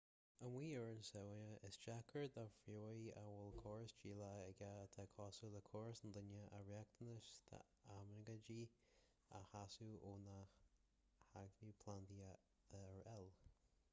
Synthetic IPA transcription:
əmwiːəɹnsɛwəəʔɪsd͡ʒakʰəɹd̪afɾoːja̰wɪlkʰɔɹsd͡ʒiːlaəɡat̪ʰakʰɔːsuləkʰɔɹsənd̪ənəʔə̰ɹɛk̚t̪ənəʃt̪ʰə̰ | amɾəɡəd͡ʒiː | a̰hasuʔoːnax | haɡɾipʰland̪iə | ðəɛɹɛl

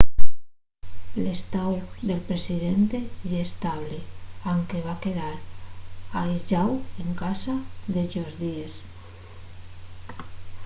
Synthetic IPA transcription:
lest̪awðelpɾesiðent̪eʒest̪aβleaŋkeβakeðaɾ | ajʒaweŋkasaðeʒozðies

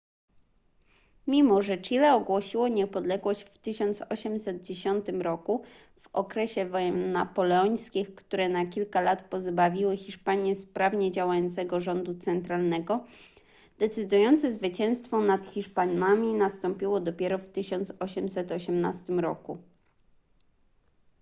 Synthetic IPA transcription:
mʲimɔʐɛt͡ʂilɛɔɡwɔɕiwɔɲɛpɔd̪lɛɡwɔʑt͡ɕft̪ɘɕɔnt̪sɔɕɛmsɛd̪̚d͡ʑeɕɔnt̪ɘmɾɔku | v̥ɔkɾɛɕɛvɔjɛmːapɔlɛɔɲjskʲixkt̪uɾɛnakʲilkalat̪pɔzbavʲiwɘxʲiʂpaɲjɛspɾavɲɛd͡ʑawajɔnt̪sɛɡɔʐɔnd̪ut̪sɛnt̪ɾalnɛɡɔ | d̪̥ɛt̪sɘd̪ujɔnt̪sɛzvɘt͡ɕɛ̃w̃st̪fɔnat̪xʲiʂpanamʲinast̪ɔmpʲiwɔd̪ɔpʲjɛɾɔft̪ɘɕɔnt̪sɔɕɛmsɛt̪ɔɕɛmnast̪ɘmɾɔku

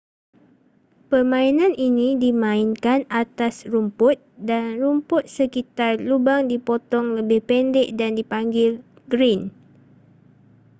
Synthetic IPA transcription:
pərmãinãnʔinĩdimãinkanat̪asrumpʊt̪̚danrumpʊt̪̚səkit̪arlubaŋdipɔt̪ɔŋləbɪhpɛndɛʔdandipaŋɡɪl | ɡɾin

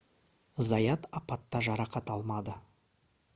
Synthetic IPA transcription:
zɑjɑt̪ɑpɑt̪ːɑʒɑɾɑqɑt̪ɑlˠmɑd̪ə

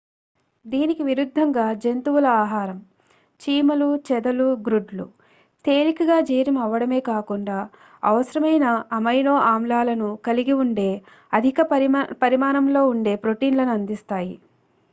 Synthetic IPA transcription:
d̪iːnikiʋiɾud̪ʱːɐŋɡaːd͡ʒe̞nt̪uwulɐaːɦaːɾɐm | t͡ʃiːmɐlut͡ʃɛd̪ɐluɡɾuɖlṵ | t̪eːɾikɐɡaːd͡ʒiːjɾɐmɐʋːɐɽɐme̞ːkaːkuɳɖaː | ɐ̰ʋɐsɐɾɐmɐjnɐːmɐjno̞ːʔaːmlaːlɐnukɐliɡiuɳɖe̞ː | ɐd̪ʱikɐpɐɾimaːnɐmlo̞ːuɳɖe̞ːpɾo̞ʈiːnlɐnuɐnd̪ist̪aːjḭ

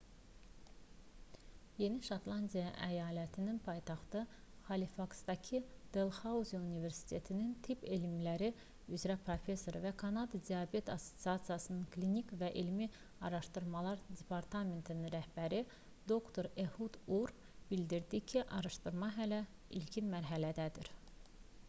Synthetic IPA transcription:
je̞niʃɑt̪lˠɑnd̪ijɑʔæjɑːlæt̪ʰininpʰɑjt̪ʰɑχt̪ɯ | χɑlifɑksd̪ɑcʰid̪̥elˠxɑuzunive̞ɾsi̥t̪ʰe̞t̪ʰinint̪ʰipelimlæɾi | yzɾæpʰɾo̞fe̞sːo̞ɾvækʰɑnɑd̪ɑd̪ijɑbe̞t̪ʰɑsːo̞̥t̪siɑt̪sijɑsɯnɯnklinikvæʔilmi | ɑɾɑʃt̪ɯɾmɑlˠɑɾd̪e̞pʰɑɾt̪ʰɑme̞nt̪ʰininɾæhb̥æɾi | d̪o̞kt̪ʰo̞ɾehud̪uɾ | b̥ild̪iɾd̪icʰiʔɑɾɑʃt̪ɯɾmɑɦælæ | ḭlcʰinmæɾɦælæd̪æd̪iɾ

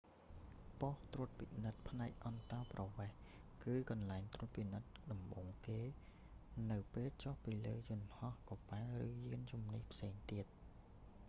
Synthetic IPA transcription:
poht̪ruət̪̚pinɨt̪̚pʰnaɛk̚ʔɑnt̪ɑːprɑʋeːhkɨːkɑnlaɛŋt̪rŭət̪̚pinɨt̪̚ɗɑmɓoːŋk̪eː | nɨwpeːlt͡ɕohpiːləːjʊənhɑhkopaːrɨːjiənt͡ɕumnihpʰseːŋt̪iət̪̚

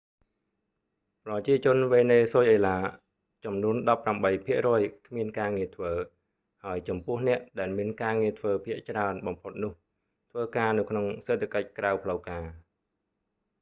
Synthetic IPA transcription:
prɑt͡ɕiət͡ɕʊ̆ənʋeːneːsoːjʔəːlaː | t͡ɕɑmnuənɗɑpːramɓəjpʰiəʔrɔəjkʰmiənkaːŋiət̪ʰʋəː | haəjt͡ɕɑmpʊ̆əhnɛ̆əʔɗaɛlmiənkaːŋiət̪ʰʋəːpʰiəʔt͡ɕraənɓɑmpʰot̪̚nʊ̆əh | t̪ʰʋəːkaːnɨwkʰnoŋseːt̪ʰːakəc̚krawpʰləwkaː

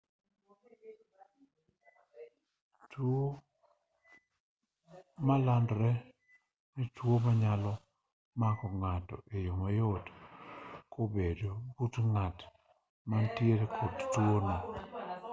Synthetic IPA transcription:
two | malandɾɛ | nitwomaɲalɔ | makɔŋatɔ̰ʔejomajot | kʰobedobutŋat | mantjeɾekʰɔdtwonɔ

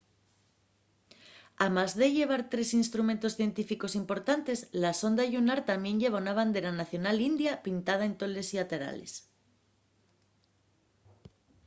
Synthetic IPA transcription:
amazðe̞ʝe̞β̞aɾt̪ɾe̞sinst̪ɾument̪o̞sθje̞nt̪ifiko̞simpo̞ɾt̪ant̪e̞zlaso̞nd̪aʝunaɾt̪ambje̞nʝe̞βanaβ̞and̪e̞ɾanaθjo̞nalind̪japint̪að̞aent̪o̞le̞siat̪e̞ɾa̰le̞̰s

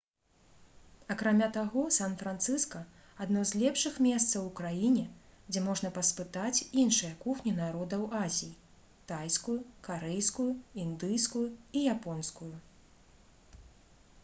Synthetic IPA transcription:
ɐkɾamʲat̪aɣɔsanfɾant̪sɨskɐ | ad̪nɔzlʲɛpʂɨxmʲɛst̪sɐwukɾajinʲɛd͡zʲɛmɔʐnɐpɐspɨt̪at͡sʲinʂɨjɐkuxnʲinaɾɔd̪ɐwazʲiji | t̪ajskujukaɾɛjskujuind̪ɨjskujuijapɔnskuju

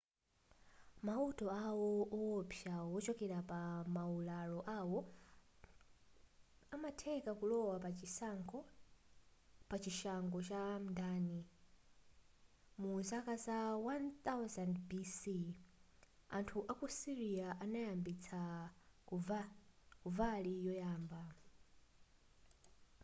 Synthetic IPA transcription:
mautɔawɔʔɔwɔpʰjawɔt͡ʃɔkɛɾapamaulalɔʔawɔ | amatʰɛkakulɔwapat͡ʃisaŋɡɔ | pat͡ʃiʃaŋɡɔt͡ʃam̩ndaːni | muzakasawant̪awzandbisi | antʰuʔakusiɾiaʔanajambit͡sʰa | kuvalijɔjaːmba

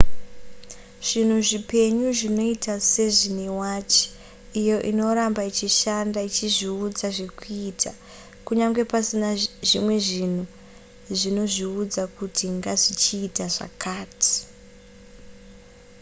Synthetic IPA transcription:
ʐ̥in̤uʐipe̞ɲuʐino̞itase̞ʐinewaːt͡ʃi̥ | ijo̞ʔino̞ɾambait͡ʃiʃandait͡ʃiʐiud͡zaʐe̞kuitʰa | kuɲaŋɡe̞pasinaʐimwe̞ʐin̤u | ʐino̞ʐiud͡zakutʰiŋɡaʐit͡ʃiːtaʐa̰kaːtʰi̥

